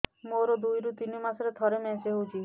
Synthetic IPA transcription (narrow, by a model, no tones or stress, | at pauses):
moɾɔd̪ujɾut̪inimasɔɾet̪ʰɔɾemɛ̃seɦowt͡ʃʰi